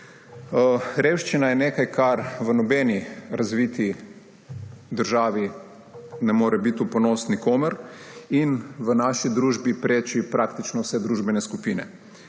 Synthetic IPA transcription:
ɾewʃt͡ʃinajɛneːkajkʰaɾʋənɔbɛːniɾazʋit̪i | d̪əɾʒaːʋi | nɛmoːɾɛbit̪upɔnoːsnikoːməɾinʋənaːʃid̪ɾuːʒbipɾeːt͡ʃipɾaːkt̪it͡ʃnɔwsɛd̪ɾuːʒbɛnɛskupiːnɛ̰

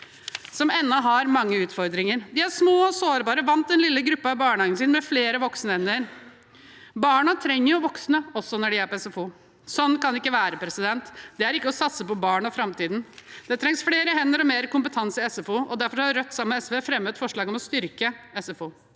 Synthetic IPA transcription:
sɔmɛnːɔɦɑɾmɑŋːəʉːt̪fɔɾd̪ɾɪŋəɾd̪ɪæɾʂmoːɔsoːɾbɑːɾəʋɑnt̪ɛnlɪlːəɡɾʉpːəɑbɑːɳhɑːɡnsɪːnmɛfleːɾəʋɔksnəhɛnːəɾ | bɑːɳɑt̪ʰɾɛŋːəɾjʊʋɔksnəɔsːɔnɔɖɪæɾpɔɛsɛfuː | sɔnːkɑnɪkːəʋæːɾəpʰɾɛsɪd̪ɛnt̪d̪ɛæɾɪkːəɔsɑt̪səpɔbɑːɳɔfɾɑmt̪iːd̪nd̪̥ɛt̪ʰɾɛŋsfleːɾəɦɛnːəɾɔmeːɾkʊmpət̪ʰɑnsɪɛsɛfuːʔɔd̪æɾfɔɾhɑɾœt̪ːsɑmːəɛsʋefɾɛmːət̪fɔʂɭɑːɡɔmɔst̪ʏɾkəɛsɛfuː

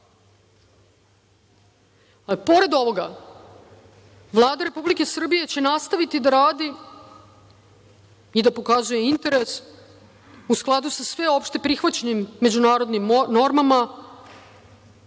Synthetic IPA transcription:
po̞ɾe̞d̪o̞ʋo̞ɡa | ʋlˠaːd̪aɾe̞publike̞sr̩bije̞t͡ɕe̞nast̪aʋit̪id̪aɾaːd̪i | id̪apo̞kazuje̞int̪e̞ɾe̞s | usklˠad̪usasʋe̞o̞pʃt̪e̞pɾixʋat͡ɕeɲimːe̞d͡ʑunaːɾo̞d̪nimno̞ɾmama

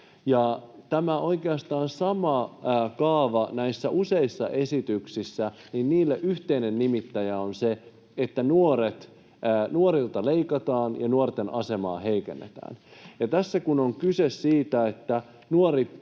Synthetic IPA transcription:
jɑt̪æmæo̞ikeɑst̪ɑːnsɑmɑːkɑːʋɑnæisːæʔuse̞isːɑ̰ʔesit̪yksisːæninniːlːeʔyht̪einenːimit̪ːæjæonse | et̪ːænuoɾet̪ː | nuoɾilt̪ɑleikɑt̪ɑːnjɑnuort̪enʔɑse̞mɑ̰ːheikḛnːḛt̪æ̰ːnjɑt̪æsːækunoŋkysessiːt̪æet̪ːæ | nuoɾit̪

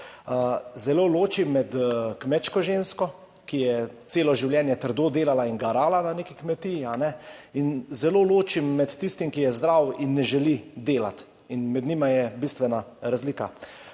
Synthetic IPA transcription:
zɛloːloːt͡ʃimːɛt̪kmɛt͡ʃkɔʒenskɔ | kijɛt̪seːlɔʒiwljɛːnjɛt̪əɾd̪oːd̪eːlalainɡaɾaːlananeːkikmɛt̪ijianɛinzɛloːloːt͡ʃimːɛt̪ːist̪imkijɛzd̪ɾawinːɛʒɛlid̪eːla̰t̪ | inmɛd̪nimajɛbist̪ʋɛnaɾazliːka

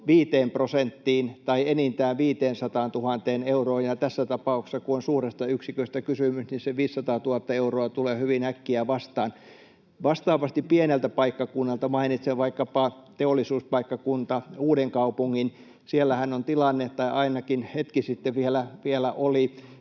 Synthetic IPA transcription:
ʋiːt̪eːmprosent̪ːiːnt̪ɑienint̪æːʋʋiːt̪eːnsɑt̪ɑːnt̪uhɑnt̪eːneuroːjjɑt̪æsːæt̪ɑpɑˑukse̥sːɑkuonsuːrest̪ɑyksikøist̪ækysymysninseʋiːsːɑt̪ɑːt̪uhɑt̪ːɑeuroɑt̪uleːhyʋinækːiæʋɑst̪ɑːn | ʋɑst̪ɑːʋɑst̪ippienelt̪æpɑikːɑkunːɑlt̪ɑmɑinit̪seʋʋɑikːɑpɑt̪eolːˑisuːspɑikːɑkunt̪ɑuːdeŋkɑupuŋːin | sielːæhænːont̪ilɑnːet̪t̪ːɑiʔɑinɑkinhet̪kisit̪ːeʋielæʋielæʔoli

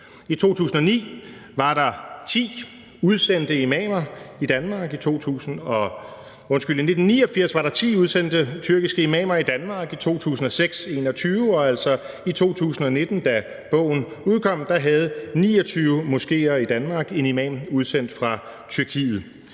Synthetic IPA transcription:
it͡sʰo̝̰ːt͡sʰṵːsn̩ɒ̽nḭː | ʋɑ̈ɾ̥ɑ̈t͡sʰḭː | uð̞ˠsen̰d̥əimɛːmɐid̥ænmɑ̈ːɡ̥it͡sʰo̝̰ːt͡sʰṵːsn̩ɒ̽ | ɔ̽nsɡ̥yl̰ine̝d̥n̩nːiːɒ̽fiɐ̰sʋɑ̈ɾɑ̈t͡sʰḭːuð̞ˠsen̰d̥ət͡sʰyɐɡ̥isɡ̥əimɛ̰ːmɐid̥ænmɑ̈ːɡ̥it͡sʰo̝̰ːt͡sʰṵːsn̩ɒ̽seɡ̥se̝ːnɒ̽t͡sʰyːʊɒ̽æl̰sɒ̽ | it͡sʰo̝̰ːt͡sʰṵːsn̩ɒ̽ne̝d̥n̩d̥æ | b̥ɔ̰̽ʊ̰n̩uð̞ˠkʰɒ̽m̰d̥ɑ̈ɦæð̞̩ˠnḭːɒ̽t͡sʰyːʊmo̝sɡ̥e̝̰ːɐid̥ænmɑ̈ːɡ̥e̝nimɛ̰muð̞ˠsen̰d̥fʁɑ̈ | t͡sʰyɐkʰḭːð̩ˠ

